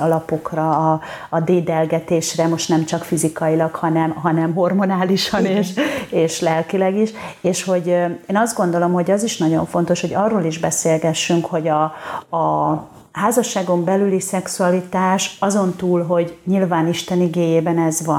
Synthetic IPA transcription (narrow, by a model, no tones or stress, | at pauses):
ɒlɒpo̞krɒː | d̪eːd̪ɛlɡɛt̪eːʃrɛmo̞ʃt̪nɛmt͡ʃɒkfizikɒilɒkhɒnɛmɦɒnɛmɦo̞rmonaːliʃɒneːʃeːʃlɛlkilɛɡiʃeːʃho̞ɟeːnɒzd̪ɡo̞nd̪o̞lo̞mɦo̞ɟɒziʃnɒɟo̞̰ɱfo̞nt̪o̞ʃho̞ɟɒrːoːliʒbɛseːlɡɛʃːyŋkho̞ɟɒː | ɦaːzɒʃːaːɡo̞mbɛlylisɛksuɒlit̪aːʃɒzo̞nt̪uːlɦo̞ɟɲilvaːniʃt̪ɛniɡeːjeːbɛnɛzʋɒn